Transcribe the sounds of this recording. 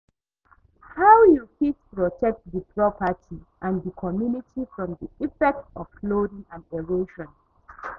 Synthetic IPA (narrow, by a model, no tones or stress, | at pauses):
hawjukitpɹɔtʰɛk̚t̚ðəpʰɹɔpətʰiʔãndəkʰɔmjunitʰifɹɔ̃mðiifɛk̚tɔv̥klodĩŋãnɛɹoʃɔ̃n